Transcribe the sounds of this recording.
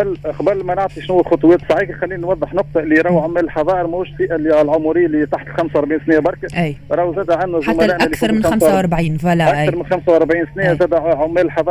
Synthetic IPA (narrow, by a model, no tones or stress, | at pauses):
bælːqbælːmænʊʕt̪ˤiʃnuːælxɑt̪ˤʊwɛːt̪sˤɑʕiːkixælːiːninwɑðˤːəħnʊq̚t̪ˤɑlːiɾˤɑwʕʊmːæːllħɑðˤɑːʔəɾmæhuːʃsiːʔalːilʕʊmuɾɪjːælit̪aħt̪əlxæmswɑɾˤbʕiːnsnɪjabɑɾˤkæʔæjɾˤɑːwzæːd̪æʕanːæzˤaʊmːælʔmʔælθɑɾˤmɪnxmamwwʔɑɾˤbʕiːnfælæʔæɑɾˤmɪnxæmsawʔɑɾˤbʕiːnsnijæzæːd̪æʕʊmːæːllħɑðˤɑ